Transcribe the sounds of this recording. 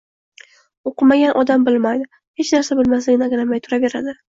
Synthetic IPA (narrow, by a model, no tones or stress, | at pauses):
oqʰɨmaɡʲanʔɒd̪ambɪlmajd̪ɪ | het͡ʃnaɾsabɪlmaslɪɡʲɪnaɡʲalamajt̪ʰʊɾave̞ɾa̰d̪ɪ